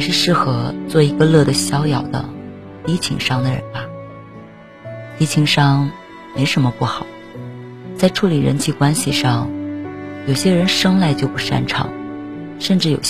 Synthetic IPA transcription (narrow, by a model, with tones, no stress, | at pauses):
i˨˩ʂɻ̩˥˧ʂɻ̩˥˩xɤ˧˥t͡swɔ˥˩i˧˥ɡə˧lɤ˥˩d̪ə˩ɕjɑ˥ʊjɑ˨˩ʊd̪ə̰˦ | t̪i˧˥t͡ɕʰḭ˧˥ŋʂɑ˥ŋd̪ə˨ɻə̰˧˥nbɐ˧ | t̪i˧˥t͡ɕʰi˧˥ŋʂɑ˥ŋ | me˧˥ɪʂə˧˥mə˧pu˥˩xɑ˨˩˦ʊ | t͡sa˥˩ɪʈ͡ʂʰu˧˥li˨˩ɻə˧˥nt͡ɕʰi˧˥˩kwa˥nɕi˨ʂɑ˥˩ŋ | jo˨˩ʊɕjɛ˥ɻə˧˥nʂɤ˥ŋla˥˧ɪt͡ɕjo˥˧ʊpu˥˩ʂa̰˥nʈ͡ʂʰɑ̰˨˥˦ŋʂə˥˧nʈ͡ʂɻ̩˥˩jo̰˨˩ʊ